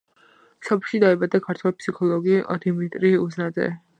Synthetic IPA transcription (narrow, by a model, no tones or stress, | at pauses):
sɔpʰlˠʃid̪aɛbad̪akʰaɾt̪ʰwɛlpsikʰɔlˠɔɡid̪imit̪ʼɾiuznad̪zɛ̰